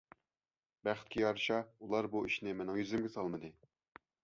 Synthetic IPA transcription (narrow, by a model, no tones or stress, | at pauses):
bæχɪ̥t̪̚kʲijɑɾɕɑulˠɑɾbuɪʃnɪmɛnɪŋjyzɪmɡʲɪsɑlˠməd̪ɨ